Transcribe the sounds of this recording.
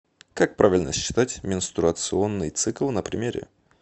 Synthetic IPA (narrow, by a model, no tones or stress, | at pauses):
kak̚pɾʔavʲɪlʲnə̰ɕɕːɪ̥t̪atʲmʲɪnst̪ɾʊət̪sɨo̞nːɨjt̪sɨklˠnəpɾʲɪmʲeɾʲɪ̰